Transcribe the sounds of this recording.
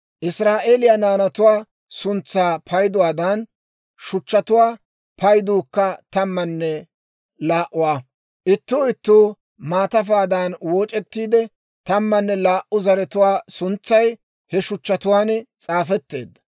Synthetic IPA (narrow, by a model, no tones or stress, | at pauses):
ʔɪsɾaːʔeːlɪjɐnaːnɐt̪ʊwaː | sʊnt͡sːaːpʰɐjd̪ʊwaːd̪ɐn | ʃʊt͡ʃːɐt̪ʊwaː | pɐjd̪uːkːɐt̪ɐmːɐnːɛ | laːʔʊwaː | ʔɪt̪ːuːɪt̪ːuː | maːt̪ɐfaːd̪aːnwoːt͡ʃʼɛt̪ːiːd̪ɛ | t̪ɐmːɐnːɛlaːʔʊzɐɾɛt̪ʊwaːsʊnt͡sːɐj | hɛʃʊt͡ʃːɐt̪ʊwaːnt͡sʼaːfɛt̪ːe̞̰ːd̪ːɐ̥